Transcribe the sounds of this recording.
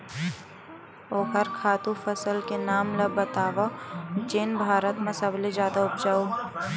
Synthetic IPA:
oːkəɾkʰaːt̪ũfɐsəlkenaːmlɐbːət̪aːʋat͡ʃeːnbʱaːɾət̪mẽsɐbled͡ʒjaːd̪aʊp̚d͡ʒaːoː

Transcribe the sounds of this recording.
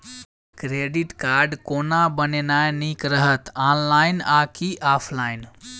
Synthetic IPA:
kɾeɖiʈkaɾɖkonabənenajnikɾəɦət̪anlajnakiʔapʰlajn

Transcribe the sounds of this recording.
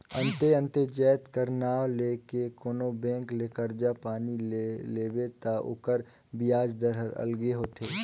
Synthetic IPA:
ɐ̃nt̪eɐ̃nt̪ed͡ʒɛːt̪kəɾnaːwleːkekoːnobɛ̃ːkleːkəɾd͡ʒapaːnilleːbet̪aʔʊ̰kəɾ | bɪjaːd͡ʒd̪əɾɦəɾɐ̰lɡeɦoːt̪eː

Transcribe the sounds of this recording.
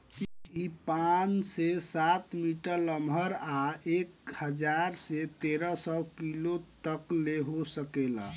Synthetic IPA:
kipansesat̪miʈəɾləmbʱəɾaekhəd͡ʒaɾset̪eɾəsɔkilot̪əkleɦosəkelə̰

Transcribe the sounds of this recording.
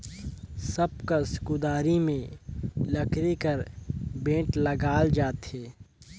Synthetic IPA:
səb̚kaskud̪aːɾimẽlɐkɾikəɾbẽːʈlɐɡaːld͡ʒaːt̪ɦeː

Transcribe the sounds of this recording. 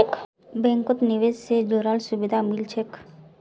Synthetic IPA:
k | bẽŋkot̪niʋed͡ʒsed͡ʒoɾaːlsubid̪ʱamilt͡ʃʰek

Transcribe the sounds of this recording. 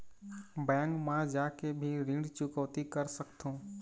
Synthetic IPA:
bɛ̃ːŋkmãːd͡ʒaːkebʱiːɾĩːɳɖt͡ʃʊkəʋt̪ikəɾsəkt̪ʰõː

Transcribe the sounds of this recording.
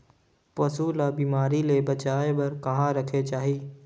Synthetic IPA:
pɐsuːlabiːmaːɾilebɐt͡ʃaːebɐɾkɐɦãɾɐkʰet͡ʃaːɦiː

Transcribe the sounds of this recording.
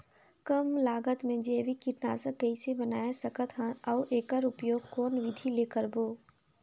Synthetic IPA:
kəmlaːɡət̪mẽd͡ʒeːʋikiʈna̰ːsəkːəisebənaːesəkət̪ɦãɐwʔeːkəɾʊpjoːɡ̚kɔːnʋɪd̪ʱileːkəɾboː

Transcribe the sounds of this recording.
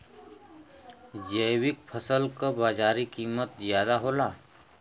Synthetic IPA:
d͡ʒəjwɪk̚pʰəsəlkəbaːd͡ʒaːɾikiːmət̪zjaːd̪aɦoːlaː

